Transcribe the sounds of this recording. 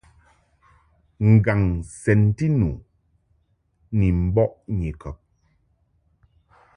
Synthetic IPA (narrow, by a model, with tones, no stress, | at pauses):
ŋ̩˨ɡa˨ŋsɛ˨n˦ti˦nu˨ | ni˨m̩˦bɔ˦ʔɲi˨kɔ˨p̚